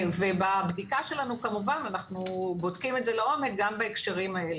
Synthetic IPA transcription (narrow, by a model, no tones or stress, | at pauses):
vebabdikaʃe̞lanukamuvananaχnubo̞dkime̞tze̞leo̞mek̚ɡambaekʃeʁimae̞le